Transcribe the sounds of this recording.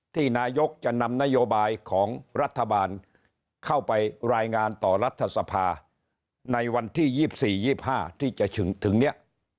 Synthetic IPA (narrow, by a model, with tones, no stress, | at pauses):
t̪ʰiː˥˩naː˧jo˦˥k̚t͡ɕa˨˩ʔna˧mna˦˥joː˧baː˧jkʰɔː˩˦ŋɾa˦˥t̪ʰːa˧baː˧n | kʰa˥˩wpa˧jɾaː˧jŋaː˧nt̪ɔː˨˩ɾa˦˥t̪ʰːa˧sa˧pʰaː˧ | na˧jwa˧nt̪ʰiː˥˩jiː˥˩p̚siː˨˩jiː˥˩p̚haː˥˩t̪ʰiː˥˩t͡ɕa˨˩ʔt͡ɕʰɯ˩˦ŋt̪ʰɯ˩˦ŋni˦˥ɐʔ